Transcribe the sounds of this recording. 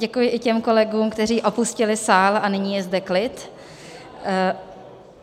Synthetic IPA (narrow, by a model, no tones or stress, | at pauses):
ɟɛkujɪʔɪcɛmko̞lɛɡuːmkt̪ɛr̝iːʔo̞puscɪlɪsaːlanɪɲiːjɛzdɛklɪt̪